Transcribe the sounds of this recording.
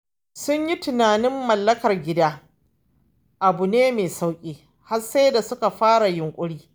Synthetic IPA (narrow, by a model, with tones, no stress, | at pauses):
sʊ˦ɲji˦tʊ˨naː˨nɪ˦mːɐ˨lːɐ˦kɐ˨rɡʲɪ˦daː˦ | ʔa˨bu˨neː˦meː˨sa˦wkʲʼiː˦ | ha˦rse˦jda˨sʊ˦ka˨ɸaː˦ɽa˨jʊ˨ŋkʷʼʊ˦ɽiː˦